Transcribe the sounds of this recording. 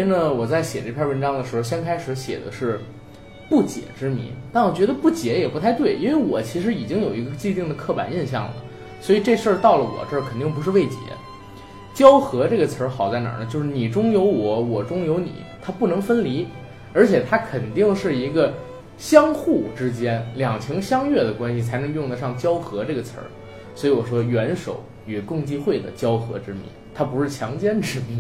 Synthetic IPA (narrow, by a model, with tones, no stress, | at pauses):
nə˨wɔ˨˩t͡sa˥˩ɪɕjɛ˨˩ʈ͡ʂɤ˥˩pʰʲjɛ˥˧˩wə˧˥nʈ͡ʂɑ˥ŋd̪ə˨ʂɻ̩˧˥xo˧ʊɕjɛ˥nkʰa˥ɪʂɻ̩˧˥ɕjɛ̰˨˩d̪ə̰˦ʂɻ̩˥˧ | pu˥˩t͡ɕjɛ̰˨˩˦ʈ͡ʂɻ̩˥mḭ˧˩˥nt̪a˥˩nwɔ˨˩t͡ɕɥɛ˧˥d̪ə˧pu˥˩t͡ɕjɛ˧˥jɛ˨˩pu˧˥t̪ʰa˥˧ɪt̪we˥˩ɪʔi˥nwe˥˧ɪwɔ˨˩t͡ɕʰi˧˥ʂɻ̩˧˥i˨˩t͡ɕi˥ŋjo˨˩ʊi˧˥ɡəɡə˧t͡ɕi˥˧t̪i˥˩ŋd̪ə˩kʰɤ˥˩pa̰˨˩ni˥˧nɕjɑ̰˥˩ŋlə̰˩ | swɔ˧˥i˨˩ʈ͡ʂɤ˥˧ʂə˞˥˧t̪ɑ˥˩ʊlə˩wɔ̰˨˩ʈ͡ʂɤ˥˩kʰə˨˩nt̪̬i˥˩ŋpu˧˥ʂɻ̩˥˧we˥˩ɪt͡ɕjɛ̰˧˥ | t͡ɕjɑ˥ʊxɤ˧˥ʈ͡ʂɤ˥˩ɡə˩t͡sʰə˞˧˥xɑ˨˩ʊt͡sa˥˩ɪnə̰˞˨˩nə˦t͡ɕo˥˧ʊʂɻ̩˥˩ni˨˩ʈ͡ʂʊ˥ŋjo˧˥ʊwɔ˧˥wɔ˨˩ʈ͡ʂʊ˥ŋjo˧˥ʊnḭ˨˩˦t̪ʰa˥pu˥˩nɤ˧˥ŋfə˥nli˧˥ | ə˞˧˥t͡ɕʰjɛ˨˩t̪ʰa˥kʰə˨˩nt̪i˥˧ŋʂɻ̩˥˩i˧˥ɡə˧ | ɕjɑ˥ŋxu˥˩ʈ͡ʂɻ̩˥t͡ɕjɛ˥nljɑ˨˩ŋt͡ɕʰi˧˥ŋɕjɑ˥ŋɥɛ˥˩d̪ə˩kwa˥nɕi˨˩t͡sʰa˧˥ɪnɤ˧˥ŋjʊ˥˩ŋd̪ə˧ʂɑ˥˩ŋt͡ɕjɑ˥ʊxɤ˧˥ʈ͡ʂɤ˥˩ɡə˩t͡sʰə̰˞˧˥ | swɔ˧˥i˧˥wɔ˨˩ʂwɔ˥ɥɛ˧˥nʂo˨˩ʊ | y˨˩kʊ˥˧ŋt͡ɕi˥˧xwe˥˩ɪd̪ə̰˩t͡ɕjɑ˥ʊxɤ̰˧˥ʈ͡ʂɻ̩˥mḭ˧˥nt̪ʰa˥pu˧˥ʂɻ̩˥˩t͡ɕʰjɑ˧˥ŋt͡ɕjɛ˥nʈ͡ʂɻ̩˥mi˧˥n